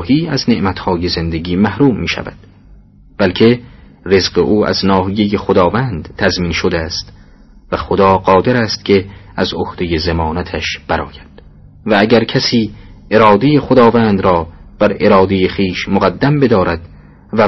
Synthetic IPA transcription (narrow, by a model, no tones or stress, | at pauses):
hiːæzne̞ʔmæt̪hɒːjeze̞nd̪eɡiːmæhɾuːmːiːʃæ̰væ̰d̪̥ | b̥ælkʰe̞ | re̞zɢeʔuːʔæ̰znɒːɦije̞jexod̪ɒːvænd̪t̪ʰæzmiːnʃod̪eæst̪ | væxod̪ɒːɢɒːd̪eɾæst̪cʲʰe̞ | æzohd̪̥e̞je̞zemɒːnæt̪ʰæʃb̥æɾɒːjæd̪̥ | vææɟæɾkʰæsiːe̞ɾɒːd̪ejeχod̪ɒːvæːnd̪ɾɒːb̥æɾe̞ɾɒːd̪e̞jeχiːʃmoɣæd̪ːæmbe̞d̪ɒːɾæd̪̥ | væ